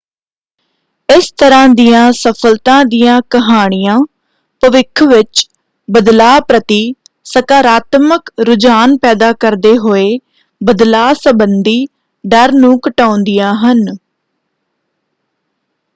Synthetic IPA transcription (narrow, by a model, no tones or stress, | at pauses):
ɪst̪əɾãːd̪ijãːsəpʰəlt̪ãːd̪ijãːkəɦaːɽ̃ɪjãː | pəʋɪkʰːʋɪt͡ʃ | bəd̪laːpɾət̪iː | səkaːɾaːt̪məkɾʊd͡ʒaːnpɛːd̪aːkəɾd̪eːɦoːeː | bəd̪laːsəbənd̪iː | ɖəɾnũːkəʈaːʊ̃nd̪ijãːɦən